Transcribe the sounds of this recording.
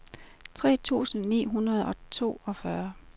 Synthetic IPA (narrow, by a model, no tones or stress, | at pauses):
t͡sʰʁɛ̰ːt͡sʰṵːsn̩nḭːɦunɐð̞̩ˠɒ̽t͡sʰo̝̰ːɒ̽fɶɐ